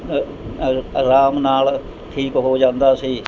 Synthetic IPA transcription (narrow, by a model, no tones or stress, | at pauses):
ɾaːmnaːl | ʈʰiːkɦoːd͡ʒãːnd̪aːsiː